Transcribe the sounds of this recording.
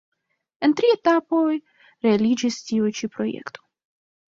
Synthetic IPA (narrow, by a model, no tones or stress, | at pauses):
e̞ntɾie̞tapo̞j | ɾealid͡ʒistiujt͡ʃipɾo̞jḛkto̞